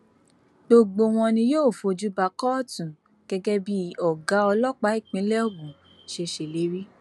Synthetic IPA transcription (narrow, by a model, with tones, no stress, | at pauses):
ɡ͡bo˧ɡ͡bo˧w̃ɔ̃˧nĩ˧joː˦˨fo˨˧˨d͡ʒu˦ba˧kɔ˦˨tũ˨ | ɡ̥ɛ˧ɡɛ˦bi˦ɔ˨ɡa˨˦ɔ˧lɔ˦k͡pa˨˦i˦˨k͡pĩ˨˦lɛ˦o˦˨ɡũ˨ | ʃe˧ʃe˨le˨˦ɾi˦